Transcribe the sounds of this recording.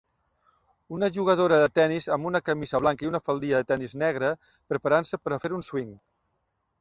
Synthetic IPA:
unəʒuɣ̞əð̞oɾəðət̪ɛnizəmbunəkəmizəβlaŋkəiunəfəlˠd̪iəðət̪ɛniznɛɣ̞ɾə | pɾəpaɾansəpəɾəfeɾunswiŋ

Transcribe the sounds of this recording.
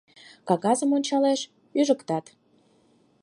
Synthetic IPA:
kɑɣɑzə̆monʲt͡ɕɑleʃ | yʒəkt̪ɑt̪

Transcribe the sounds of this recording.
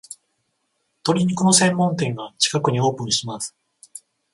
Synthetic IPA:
t̪o̞ɾʲiɲ̟ikono̞sẽ̞mːõ̞nt̪̬ẽ̞ɰ̃ɡat͡ɕi̥kakɯ̟ɲ̟io̞ːpɯ̟̃ɰ̃ɕimasɨ̥

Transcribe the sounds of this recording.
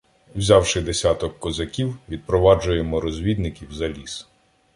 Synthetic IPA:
wzʲawʃɪd̪esʲat̪ɔkːɔzɐkʲiwʋʲid̪̚pɾɔʋɑd͡ʒʊjemɔɾɔzʲʋʲid̪nɪkʲiwzɐlʲis

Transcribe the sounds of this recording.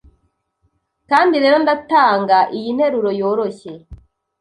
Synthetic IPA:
kaːndiɾe̞ːɾo̞ndataːŋɡaʔijin̥he̞ɾuɾo̞jo̞ːɾo̞çe̞

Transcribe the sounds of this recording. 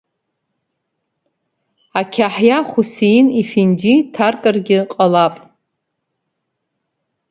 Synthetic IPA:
akʲʰaħjaχʷusejinifinditʰarkʼarɡʲɪqʼalapʼ

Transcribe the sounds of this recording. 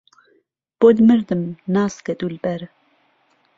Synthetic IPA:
b̥od̪mɨɾd̪ɨmnɑːskɛd̪ulbɛɾ

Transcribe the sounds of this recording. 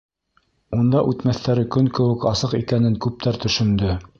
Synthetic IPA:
und̪ɑʔʉt̪mæθæɾɘkɵŋkɘ̆wɘ̆kɑsɤqikænɘŋkʉp̚t̪æɾt̪ɵ̆ʃɵ̆nd̪ɵ

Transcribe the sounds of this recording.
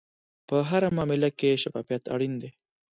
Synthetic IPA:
pəɦaɾamɑmɪlakeʃafɑfijat̪a̰ɽind̪e

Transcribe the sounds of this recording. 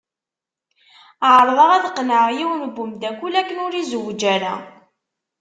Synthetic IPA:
ʕɾˤðˤəʁæðqːnəʕjiwnbːʊmd̪ækʷːulækːənʊɾizəwd͡ʒæɾæ̰

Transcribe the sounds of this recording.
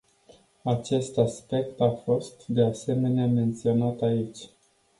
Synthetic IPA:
at͡ʃe̞st̪aspe̞kt̪afo̞st̪d̪e̞ase̞me̞neame̞nt̪sio̞nat̪ait͡ʃʲ

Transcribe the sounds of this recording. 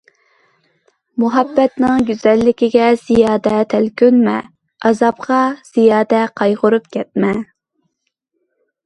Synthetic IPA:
muɦɑbːɛt̪nɪŋɡʲyzɛlːɪkʲɪɡʲɛz̥ijɑːd̪ɛt̪ʰɛlkʲønmɛ̰ | ɑzɑpqɑz̥ijɑːd̪ɛqʰɑjʁʊɾup̚kʲʰɛt̪̚mɛ

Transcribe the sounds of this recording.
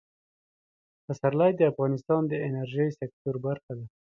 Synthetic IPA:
asaɾlajd̪əafɣɑnɪst̪ɑnd̪əɪnaɾʒəjsek̚t̪oɾbaɾxad̪a

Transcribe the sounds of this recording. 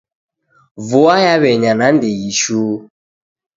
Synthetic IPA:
vʊajaβɛɲanan̩deɣiʃuː

